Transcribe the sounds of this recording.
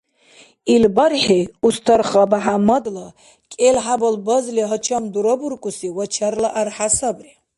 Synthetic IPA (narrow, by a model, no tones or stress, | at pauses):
ilbaɾħiust̪ʰɔɾχabaɦamad̪la | kʼɛlħabɔlbɔzliɦɔt͡ʃʰamd̪uɾɔbuɾkʼusiwat͡ʃʰaɾlaʔaɾħasabɾi